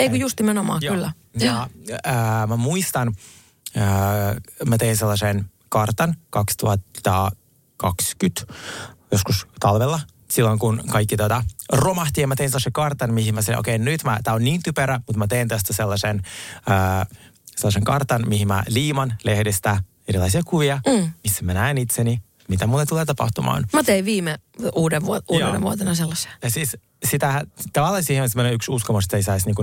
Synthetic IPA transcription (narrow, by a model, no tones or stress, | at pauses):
eikujust̪nimenomɑ̰ːjoylːæ | noː | mæmuist̪ɑn | ə | mæt̪einselːɑsen | kɑrt̪ɑnkɑkst̪uhɑt̪ːɑ | kɑkskyt̪joskust̪ɑlʋelːɑ | silːoŋkunkɑikːit̪uot̪ɑromɑht̪ijɑmæt̪einselːɑsekɑrt̪ɑnmihimæsil̰ʔo̰keinnyt̪mæt̪æːonniːnt̪ypeɾæmut̪mæt̪eint̪ost̪æselːɑsenəː | selːɑseŋkɑrt̪ɑnmihimmæ̰liːmɑnlehdest̪æ | eɾilɑ̰isiɑkuʋiɑmisːæmænæenit̪seni | mit̪æmulːet̪uleːt̪ɑpɑ̰ht̪umɑ̰ːnmɑt̪eiʋʋiːmeuːdeʋʋuouːdennḛʋuot̪enɑselːɑsejɑsiːs | sit̪æt̪ɑʋɑlːɑsiːheonsemːoneyksuskomust̪ːeisæsniːŋku